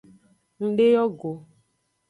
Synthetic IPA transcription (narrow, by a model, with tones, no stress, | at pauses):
ŋ̩˦ɖe˦jɔ˦ɡo˨